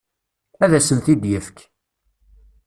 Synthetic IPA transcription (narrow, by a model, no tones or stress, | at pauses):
æðæsəmθid̪jəfk